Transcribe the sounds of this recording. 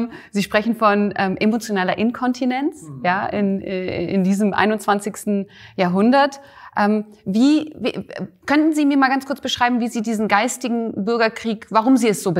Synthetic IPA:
ziːʃpʁ̥ɛçn̩fɔnʔɛːmʔemot͡sjonaːlɐʔɪnkʰɔntʰinɛnt͡sjaːɪ̰nɛ̰ːʔɪ̰ndiːzəmʔa̰ɪnʊntt͡sv̥ant͡sɪçstn̩ | jaːɐɦʊndɐt | ʔɛːm | viːv̰kʰœntn̩ziːmiːɐmaːlɡant͡skʰʊɐt͡sb̥əʃʁ̥aɪbm̩viːziːdiːzn̩ɡaɪstɪɡŋ̩bʏɐɡɐkʁ̥iːkvaʁ̞ʊmziːɛsz̥oːbə

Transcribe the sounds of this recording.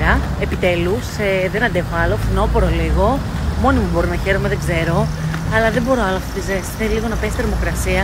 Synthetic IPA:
ɐ | epit̪e̞luseðenɐnd̪e̞xoɐlo̞fino̞poɾoliɣo̞ | mo̞nimubo̞ɾonɐçe̞ɾomeðeɡze̞ɾo̞ | ɐlɐðembo̞ɾoɐloɐft̪ot̪izesθeliliɣo̞nɐpe̞sθeɾmo̞kɾɐsiɐ

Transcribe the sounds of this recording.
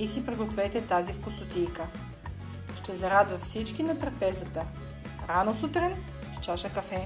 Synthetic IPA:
isipɾɛɡot̪vɛt̪ɛt̪azifkosʊt̪ijkə | ʃt̪ɛzɐɾad̪vɐt̪fsit͡ʃkinɐt̪ɾɐpɛzət̪ə | ɾanosut̪ɾɛn | ʃt͡ʃaʃəkɐfɛ

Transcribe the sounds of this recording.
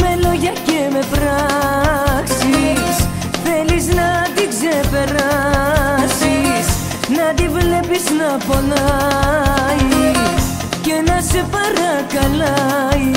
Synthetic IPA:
meloʝɐceme̞pɾa | ksis | θe̞liznɐt̪ikse̞pe̞ɾɐ | sis | nɐd̪ivle̞piznɐpo̞lɐ | is | ce̞nɐse̞pɐɾɐkɐlɐi

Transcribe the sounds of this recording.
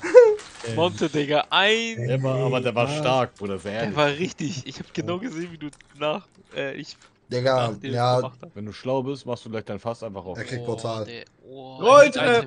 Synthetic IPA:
mɔntʰədɛɡɐʔaɪnɛvaaːbɐdeːɐvaːɐʃtaɐkoːdɐzɛːɐːɐvaːɐʁɪçtɪçɪçhaːbɡ̥ənaʊɡəzeːnviːduːnaːχ | ʔɛːʔɪç | d̥ɛɡɐjaːvɛnduːʃlaʊbɪstmaχstd̥uːɡlaɪçtd̥aɪnfasʔaɪnfaχʊʔɛːɐkʁ̥ɪkt̚pʰɔtʰaːl | ʁɔɪtɛ

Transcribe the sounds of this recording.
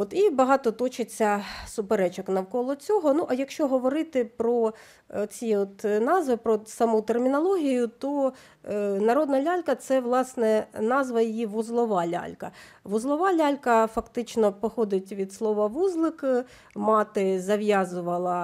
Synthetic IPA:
ɔt̪ibɐɦɑt̪ɔt̪ɔt͡ʃɪt͡sʲːɐsʊpeɾɛt͡ʃɔknɐwkɔlˠɔt͡sʲɔɦɔnuʔɐjɐkʃt͡ʃɔɦɔʋɔɾɪt̪ɪpɾɔ | t͡sʲiɔt̪nɑzʋɪpɾɔsɐmut̪ermʲɪnɐlˠɔɦʲijʊt̪ɔ | nɐɾɔd̪nɐlʲalʲkɐt̪sɛʋlˠɑsnɛnɑzʋɐjijiʋʊzlˠɔʋɑlʲa̰lʲkɐ | ʋʊzlˠɔʋɑlʲalʲkɐfɐkt̪ɪt͡ʃnɔpɔxɔd̪ɪtʲʋʲid̪slˠɔʋɐʋuzlˠɪk | mɑt̪ɪzɐʋjɑzʊʋɐlˠɐ

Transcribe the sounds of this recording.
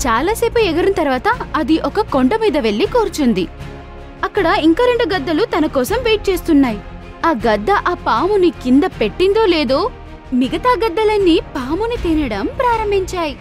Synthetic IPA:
t͡ʃaːlaːseːpuɛɡɐɾɐnɐt̪ɐɾʋaːt̪ɐɐd̪iʔɔkɐko̞ɳɖɐmiːd̪ɐʋe̞ɭːikoːɾut͡ʃund̪i | ɐkːɐɽɐiŋkɐːɾe̞ɳɖuɡɐd̪ːɐlut̪ɐnɐkɔːsɐmʋeːjʈ̚t͡ʃe̞ːst̪unːaːji | aːɡɐd̪ːɐʔaːpaːmunikind̪ɐpe̞ʈːind̪o̞ːleːd̪o̞ː | miɡɐt̪aːɡɐd̪ːɐlɐnːipaːmunit̪iːnɐɽɐmpɾaːɾɐmbʱiɲt͡ʃaːji

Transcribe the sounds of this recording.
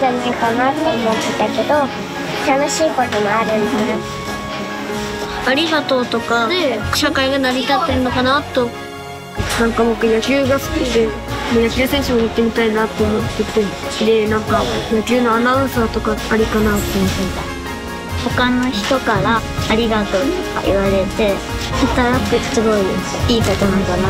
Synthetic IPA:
zẽnːẽŋkanaemot̪ːet̪ːake̞d̪o̞ | t̪ano̞ɕiːkot̪omoaɾɯ̟̃nd̪eɨɾa | aɾʲiɡat̪o̞ːt̪o̞kae̥ɕakaiɡanaɾʲit̪at̪ːe̞ɾɯ̟no̞kanat̪ːo̞ | nãŋkabokːɯjakʲɨːɡasɨ̥kʲid̪e̞mojakʲɨːsẽ̞ɰ̃ɕɨmoit̪ːe̞mʲit̪ainat̪ːo̞omo̞t̪ːet̪ːed̪e̞nãŋkajakʲɨːnoanãɯ̟̃ɰ̃saːt̪o̞kaːɾʲikanat̪o | ho̞kano̞çi̥t̪o̞kaɾaːɾʲiɡat̪o̞ːt̪oka̰ʔḭβaɾe̞t̪e̞ | hat̪aɾakɯt͡sɨboiesiːkat̪onaɡana

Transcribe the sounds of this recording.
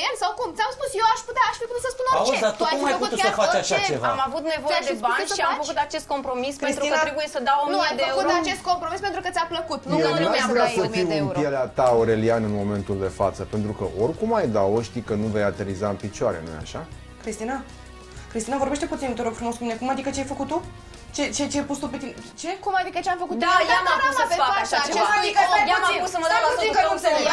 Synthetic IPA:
emsawkumt̪sʲamspusjewaʃput̪aaʃfiput̪ut̪səspunoaueat̪uajmajput̪uaəfat͡ʃaʃaevamavut̪ne̞vo̞jed̪ebanʲʃiamfəkut̪at͡ʃe̞st̪ko̞mpɾo̞mispenit̪ɾuikət̪aɾebujesəd̪awomniad̪eəeuuɾat͡ʃe̞st̪ko̞mpɾomispe̞nt̪ɾukət̪ʲapləkut̪njeasuaasəmiieuenuɾijeleat̪aoɾe̞lianɨnmo̞me̞nt̪uld̪e̞fat̪səpe̞nt̪ɾukəʔorkumajd̪awoʃt̪ikənuve̞jat̪eɾizaɨnpit͡ʃoaɾe̞̰nṵja̰ʃa | kɾist̪ina | kɾist̪inavo̞rbeʃt̪e̞put̪sint̪oɾoɡfɾumo̞skumine̞kumad̪ikət͡ʃeajfəkut̪̚t̪ːu | t͡ʃet͡ʃet͡ʃepust̪upet̪int͡ʃekumad̪ikət͡ʃeamfəkut̪d̪ajaaeaʃaad̪ikaaeusəməaikəuse

